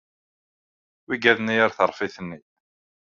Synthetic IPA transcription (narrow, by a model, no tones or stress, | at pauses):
wiɡæðnijaɾθəɾˤfiθənːi